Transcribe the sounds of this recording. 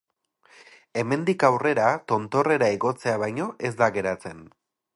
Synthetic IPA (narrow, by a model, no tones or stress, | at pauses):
e̞me̞nd̪ikawre̞ɾat̪o̞nt̪o̞re̞ɾaeɣo̞t͡se̞aβ̞ajɲo̞ʔe̞zd̪aɣe̞ɾat͡se̞n